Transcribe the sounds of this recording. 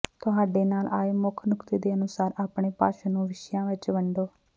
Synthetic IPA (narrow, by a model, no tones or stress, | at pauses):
t̪ʊɦaːɖeːnaːlaːeːmʊkʰnʊkt̪eːd̪eːənʊsaːɾaːpɳeːpa̰ːʃaːnũːʋɪʃjãːʋɪt͡ʃʋəɳɖoː